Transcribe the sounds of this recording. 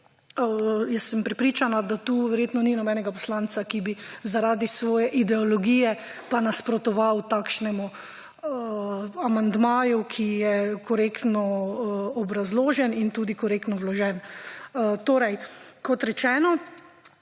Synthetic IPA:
jɛsːɛmpɾɛpɾiːt͡ʃanad̪at̪uːʋɛɾjeːt̪nɔninɔbɛnɛɡapɔ̥slant̪sakibizaɾaːd̪isʋɔːjɛʔid̪ɛɔlɔɡiːjɛpanaspɾɔt̪ɔʋawt̪aːkʃnɛmu | amand̪maːjukʰijɛkɔɾekt̪nɔ | ɔbɾazloːʒɛnint̪uːd̪ikɔɾeːk̚t̪nɔwlɔʒɛn | t̪oːɾɛjkɔt̪ɾɛt͡ʃɛːnɔ

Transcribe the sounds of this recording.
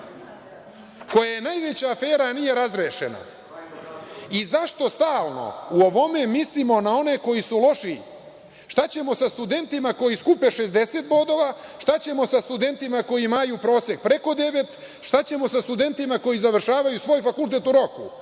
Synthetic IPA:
ko̞jajenaːjʋe̞t͡ɕaːfe̞ːɾanije̞ɾazɾeːʃḛna̰ | izaʃt̪o̞st̪aːlˠno̞̰uoʋo̞me̞mislimo̞nao̞ne̞ko̞jisulo̞ʃi | ʃt̪at͡ɕe̞mo̞sast̪ud̪e̞nt̪imako̞jiskupeʃe̞zd̪e̞set̪̚bo̞d̪o̞ʋaʃt̪at͡ɕe̞mo̞sast̪ud̪e̞nt̪imako̞jimajupɾo̞ːse̞k̚pɾe̞ko̞d̪e̞ʋet̪ | ʃt̪at͡ɕe̞mo̞sast̪ud̪e̞nt̪imako̞jizaʋr̩ʃaːʋajusʋo̞ːjfakult̪e̞t̪uɾo̞kṵ

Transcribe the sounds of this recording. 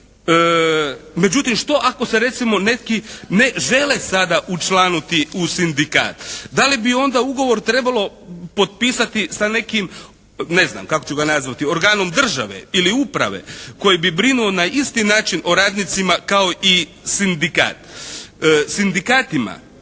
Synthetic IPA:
me̞d͡ʑut̪imʃt̪o̞ʔako̞se̞ɾe̞t̪simo̞ne̞t̪kine̞ʒe̞lesad̪aʔut͡ʃlˠaːnut̪iusind̪ika̰ːt̪d̪alibio̞nd̪auɡo̞ʋo̞ɾt̪ɾe̞balˠo̞ | po̞t̪̚piːsat̪isane̞kim | ne̞zna̰mkakot͡ɕuɡanazʋat̪io̞ɾɡaːno̞md̪r̩ʒa̰ʋḛiliupɾa̰ʋe̞̰ko̞jibibɾinuo̞naist̪inaːt͡ʃinʔo̞ɾaːd̪nit̪simakao̞ʔi | sind̪ika̰ːt̪ː | sind̪ikaːt̪ima̰

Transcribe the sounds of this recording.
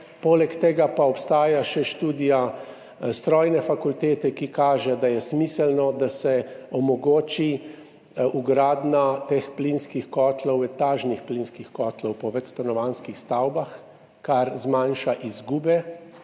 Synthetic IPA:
poːlɛkt̪ɛːɡapaɔpst̪aːjaʃɛʃt̪uːd̪ija | st̪ɾɔːjnɛfakult̪eːt̪ɛkikaːʒɛd̪ajɛsmiːsɛlnɔd̪asɛɔmɔɡoːt͡ʃi | uɡɾaːd̪nat̪explinskixkɔːt̪lɔwɛt̪aːʒnixplinskixkɔːt̪lɔwpɔʋɛt̪st̪anɔʋanskixst̪awbax | kaɾzmanʃaʔizɡuːbɛ

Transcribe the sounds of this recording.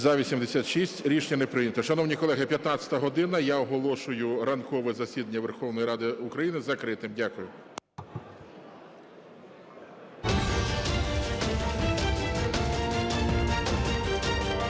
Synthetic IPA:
zɐʋʲisʲimd̪esʲat̪ʃisʲtʲɾʲiʃnʲɐnɛpɾɪjnʲɐt̪ɔʃɐnɔwnʲikɔlˠɛɦɪpʲjɐt̪nɑt͡sʲɐ̥t̪ɐɦɔd̪ɪnɐjaɔɦɔlˠɔʃʊjʊɾɐnkɔʋɛzɐsʲid̪ɐnʲːɐʋerxɔwnɔjiɾɑd̪ɪʊkɾɐjinɪzɐkɾɪt̪ɪmdʲakʊjʊ

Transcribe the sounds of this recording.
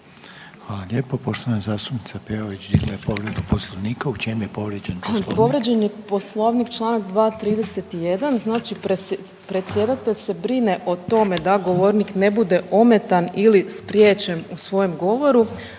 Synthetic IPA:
xalaʎʲeːpopo̞ʃt̪oʋanazaːst̪upnit̪sapeoʋit͡ɕd̪ḭɡlajepo̞ʋɾed̪uposlˠoʋniːkaut͡ʃemujepo̞ʋɾed͡ʑenppo̞ʋɾed͡ʑenjepo̞slˠo̞ʋnikt͡ʃlˠaːnakd̪ʋaːt̪ɾiːd̪ese̞t̪ijed̪anznaːt͡ʃi | pɾe̞t̪sʲje̞d̪at̪eʎʲse̞bɾine̞ʔo̞t̪o̞me̞d̪aɡo̞ʋo̞ɾnikne̞bud̪e̞ʔo̞me̞t̪anilispɾjeːt͡ɕenusʋo̞jo̞mɡo̞ʋo̞ɾu

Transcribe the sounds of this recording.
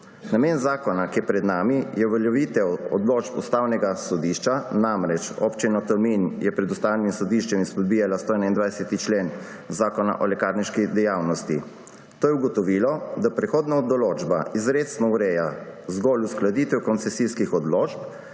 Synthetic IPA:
nameːnzaːkɔnakiɛpɾɛd̪naːmijɛʋɛljɛʋit̪ɛwɔ̰d̪lot͡ʃpṵst̪aːwnɛɡasɔd̪iʃt͡ʃanamɾɛt͡ʃɔ̰pt͡ʃinɔt̪ɛɾminjɛpɾɛd̪ust̪aːwnimsɔd̪iʃt͡ʃɛmispɔd̪̚bijalast̪oɛnaind̪ʋajsɛt̪it͡ʃlen | zaːkɔna̰ʔɔlɛkaɾniʃkid̪ɛjawnɔst̪i | t̪oːjɛuɡɔt̪ɔʋiːlɔd̪apɾɛxoːd̪naɔd̪ɔloːd͡ʒba̰izɾeːt̪snɔuɾɛːjazɡɔlusklad̪it̪ɛwkɔnt̪sɛsiskixɔd̪lot͡ʃp

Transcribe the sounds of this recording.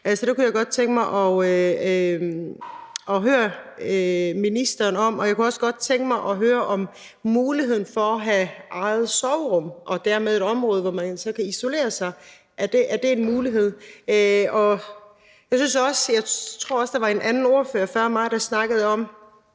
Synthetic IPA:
ælsɒd̥ekujɑɪɡ̥ɒ̽d̥̚t͡sʰeŋɡ̥əmɑ̈ɪʔɒ | ɒ̽ɦøːɐ | minisd̥ɐːnɒ̽mɒ̽jɑ̈ɪkuɒ̽sɡ̥ɒ̽d̥t͡sʰeŋɡ̥əmɑ̈ɪʔɒ̽ɦøːɐʔɒ̽m | muːliɦe̝ð̰ˠn̩fɒ̽ɒɦæʔɑ̈ɪð̩ˠsɒʊʁɔ̽mʔɒ̽d̥æɐ̰með̞ˠe̝ɾɒ̽mʁɔ̽ːð̞ˠəʋɒmænsɒ̽kʰæiso̝le̝̰ːɐsɑ̈ɪ | ʔæɐd̥e̝ʔæɐd̥e̝ːnmuːliɦe̝ð̞̰ˠøɒ̽ | jɑ̈ɪsynsɒ̽sjɑ̈ɪt͡sʰʁo̝ɐ̰ɒ̽sd̥ɑ̈ʋɑ̈e̝nʔænn̩o̝ɐføːɐfɶɐ̰mɑ̈ɪd̥ɑ̈snɑ̈ɡ̥əð̩ˠɒ̽m

